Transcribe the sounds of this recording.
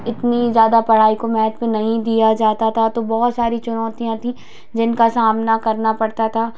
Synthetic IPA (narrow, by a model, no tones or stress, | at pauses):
ɪt̪nizjaːd̪apɐɽ̤aːikomɛːnət̪mẽnɐɦĩd̪ijad͡ʒaːt̪at̪ʰat̪obɔɦɔt̪saːɾit͡ʃʊnɔːt̪ijãt̪ʰĩ | d͡ʒɪnkasaːmnakɐɾnapɐɽt̪at̪ʰaː